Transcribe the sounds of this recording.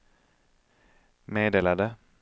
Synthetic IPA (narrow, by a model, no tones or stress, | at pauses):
meːd̪eːlad̪ə